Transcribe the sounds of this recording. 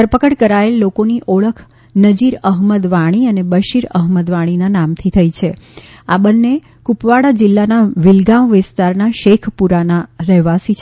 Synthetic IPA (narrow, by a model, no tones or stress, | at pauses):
d̪əɾpəkəɽkəɾaelːokoniʔoɭəkʰ | nəd͡ʒiɾəɦməd̪ʋaɽ̃iənebəʃiɾəɦməd̪ʋaɽ̃inanamt̪ʰit̪ʰəit͡ʃʰe | a̰bənːe | kupʋaɽad͡ʒɪlːanaʋɪlɡaʋʋɪst̪aɾnaʃekʰpuɾanaɾɛɦʋasit͡ʃʰ